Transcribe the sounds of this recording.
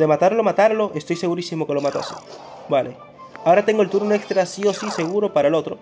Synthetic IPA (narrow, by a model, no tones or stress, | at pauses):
d̪e̞mat̪aɾlomat̪aɾlo̞ʔe̞st̪o̞jse̞ɣuɾisimo̞ke̞lo̞mat̪a̰se̥̰balʔe | ao̞ɾat̪e̞ŋɡolt̪uɾunekst̪ɾasio̞sise̞ɣ̞uɾo̞paɾaelo̞t̪ɾo̞̰